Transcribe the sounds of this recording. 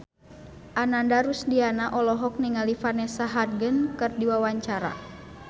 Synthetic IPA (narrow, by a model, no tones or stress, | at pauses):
ʔanandaɾusdianaʔɔlɔɦɔk̚niŋalifanɛsaɦarɡənkɨrdiwawaɲt͡ʃaɾa̰